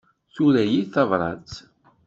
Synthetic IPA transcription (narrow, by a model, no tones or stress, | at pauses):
θuɾæjiθɑvɾˤɑ̰t͡s